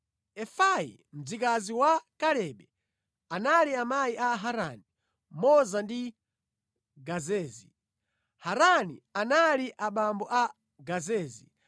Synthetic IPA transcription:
ɛfajḭ | m̩d͡zikaziwakaɾɛɓɛ | analiamajiaɦaɾani | mɔzandi | ɡazɛːzi | haɾanḭanaliʔaɓambɔʔa | ɡazɛːzi

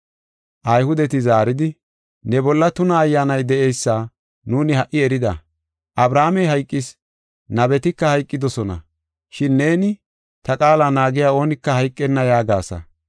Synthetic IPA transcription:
ʔɐjhʊd̪ɛt̪ɪzaːɾɪd̪ɪ | nɛbɔlːɐt̪ʊnɐːjːaːnɐjd̪ɛʔejsːaː | nuːnɪhɐʔɪɛɾɪd̪ɐ | ʔɐbɾaːmɛɦɐjkʼːɪs | nɐbɛt̪ɪkːɐhɐjkʼːɪd̪ɔsɔnɐ̰ | ʃɪnːe̞ːnɪ | t̪ɐkʼaːlaːnaːɡɪjaːo̞ːnɪkːɐhɐjkʼːɛnːɐjaːɡaːsɐ̰

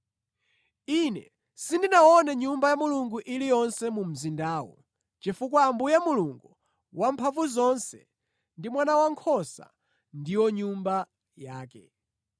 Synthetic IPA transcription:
inɛ̰ | sindinaɔnɛɲumbajamuluŋɡuʔilijɔnsɛmum̩zindaːwɔ̰ | t͡ʃifukwaːmbujamuluŋɡu | wampʰavuzɔnsɛ̰ | ndimwanawaŋkʰɔsa̰ | ndiwɔɲumba | jaːkɛ̰

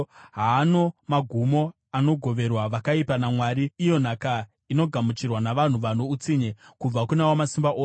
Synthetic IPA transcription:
ɦaːno̞maɡʱumo̞ | ano̞ɡʱo̞ʋe̞rwaʋakaipanamwaːɾiːjo̞n̤aka | ino̞ɡʱamut͡ʃirwanaʋan̤uʋanout͡siɲekub͡vakunawomasimbaʔoː

